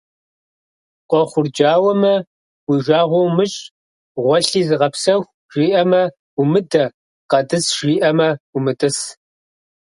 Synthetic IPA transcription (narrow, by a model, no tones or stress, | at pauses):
qʷɔχʷʊrd͡ʒaːwɐmɐ | wiʒʷaːʁʷɔwmɨɕʼ | ʁʷɔɬiːzɨʁɐpsɐxʷ | ʒ̥iːʔɐmɐ | ʊmɨdɐ | qɐdɨsʒiːʔɐmɐumɨtʼɨs